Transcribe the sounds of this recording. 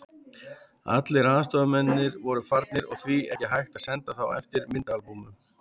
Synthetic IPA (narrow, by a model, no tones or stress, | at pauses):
a̰t̪lɪɾaːðast̪ɔðʏmɛnːɪɾvɔɾʏfaɾt̪nɪɾɔ̰ɣθviɛ̰htɪɦajxt̪ḁsɛnt̪aθawɛ̰ft̪ɪɾmɪnt̪aalpumʏ